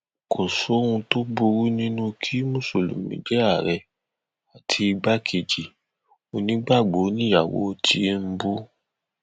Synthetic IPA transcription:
kʰo˨so˨˦ũ˧to˦bo˧ɾu˦nĩ˦nũ˦kʰi˦mũ˦˨so˨lo̰˨mḭ̃˨˦d͡ʒɛ˦a˦˨ɾɛ˧ | a˨tʰi˧˦i˧ɡ͡ba˦kʰe˨d͡ʒi˨ | o˧nĩ˨˦ɡ͡ba˦˨ɡ͡bo˨˦nĩ˦ja˨wo̰˨˦tʰi˨˦m̩˦bu˦

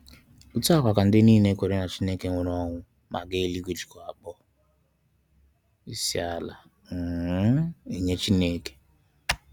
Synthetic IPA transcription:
u˦ta˦kʷa˨ka˨n̩˦dɪ˦niː˦˨ne˦kʷe˨ɾe˦na˨t͡ʃi˦ne˦ke˨ŋʷʊ˨ɾɔ˦ŋʷʊ˦ | ma̰˨ɡe˦li˦ɡu˦d͡ʒi̥˨kɔ˨a˨k͡pɔ˦ | i˦si˦a˦la̰˨ | ŋ̩˨˦ | i˨ɲe˦t͡ʃi˦neː˦ke̥˨

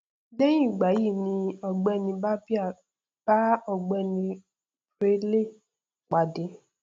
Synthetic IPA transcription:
de˦j̃ĩ˦˨ɡ͡ba˨˦ji˦˨nĩ˧ɔ˧ɡ͡bɛ˦˨nĩ˧ba˦bi˦a˦˨ | b̥a˦ɔ˦˨ɡ͡bɛ˦˨nĩ˧ | ɾe˦le˦˨ | k͡pa˨de˨˦

